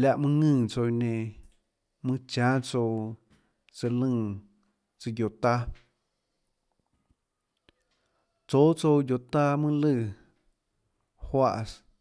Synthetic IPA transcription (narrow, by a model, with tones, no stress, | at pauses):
lʲja˧ʔmɨ̃˦ŋɨ̃ː˧˨t͡so˧nẽ˧ | mɨ̃˦t͡ʃãː˦t͡so˧ | t͡sɨ˧lɨ̃˧˨ | t͡sɨ˧jo˨t̪a˦ | t͡soː˦t͡so˧wjo˨t̪a˦mɨ̃˦lɨ˧˨ | hwa˧ʔs